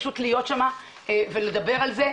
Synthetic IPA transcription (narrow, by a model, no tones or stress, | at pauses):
ʃutlijo̞t̪ʃama | vele̞d̪abe̞ʁalze